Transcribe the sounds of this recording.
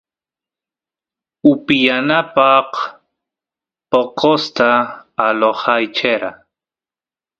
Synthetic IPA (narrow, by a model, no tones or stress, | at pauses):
ʊpɪjanapɑq | poqost̪aːlohɑjt͡ʃeɾa